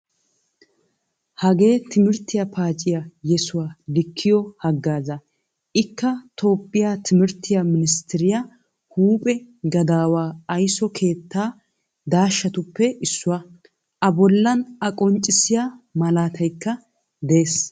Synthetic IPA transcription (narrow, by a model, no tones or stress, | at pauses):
hɐɡe̞ːt̪ʰɪmɪɾt̪ːɪjɐpʰaːt͡ʃʼːɪjɐjɛsʊwalɪkʰːɪjɔhɐɡːaːzɐ | ʔɪkːɐt̪o̞ːpʼːɪjat̪ʰɪmɪɾt̪ʰːɪjamɪnɪst̪ɪɾɪjɐ | huːpʼɛ | ɡɐd̪aːwaːɐjsɔkʰe̞ːt̪ːaː | d̪aːʃːɐt̪ʊpːɛɪsːʊwɐ | ʔɐbɔlːɐnɐkʼɔnt͡ʃʼːɪsɪjamɐlaːt̪ʰɐjkːɐ | d̪ɛeːs